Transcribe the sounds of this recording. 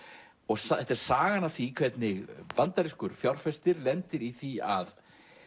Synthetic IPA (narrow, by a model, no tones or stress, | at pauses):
ɔɣsɛt̪ɛɾ̥saːɣanaθikʰvɛt̪nɪɣpant̪aɾɪskʏɾ̥fjawr̥fɛst̪ɪɾlɛnt̪ɪɾiθiað